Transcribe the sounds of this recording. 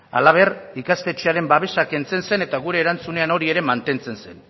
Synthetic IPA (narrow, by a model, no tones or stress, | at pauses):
a̰laβ̞e̞rikast̪e̞t͡ʃeaɾe̞mbaβ̞e̞sake̞nt͡se̞nse̞ne̞t̪aɣuɾe̞ːɾant͡sune̞ano̞ɾie̞ɾe̞mant̪e̞nt͡se̞nse̞n